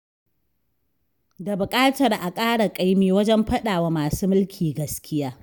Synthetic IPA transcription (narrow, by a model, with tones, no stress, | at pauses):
da˨bʊ˨kʼaː˦tɐ˨rʔa˨kʼaː˦ɽa˨kʼa˦jmiː˦wɐ˦d͡ʒɛ˦mɸɐ˦ɗaː˨wa˦maː˨suː˦mʊ˦lkʲʰiː˨ɡɐ˦skʲʰɪ˦jaː˦